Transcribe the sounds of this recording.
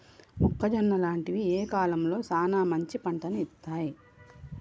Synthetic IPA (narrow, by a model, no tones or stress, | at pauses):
mukːɐd͡ʒɐnːɐlaːɳʈiʋieːkaːlɐmlo̞ːsaːnaːmɐɲt͡ʃipɐɳʈɐniit̪ːaːji